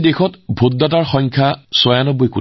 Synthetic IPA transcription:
dexɔtbʱotːataɹxɔ̃ŋkʰasɔjanɔbojku

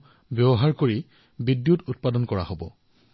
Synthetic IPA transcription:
bjɔbɔɦaɹkoɹi | bidːjutʊt̚padɔnkɔɹa̰hobɔ̰

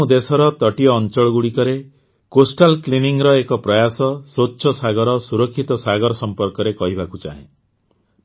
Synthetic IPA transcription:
ũd̪esɔɾɔt̪ɔʈiɔːnt͡ʃɔɭɔɡuɽikɔɾe | kosʈalkliniŋɾɔekɔpɾɔjasɔsotːʃʰɔsaɡɔɾɔsuɾɔkʰːit̪ɔsaɡɔɾɔsɔmpɔɾkɔɾekɔɦibakut͡ʃa̰ɦḛ̃

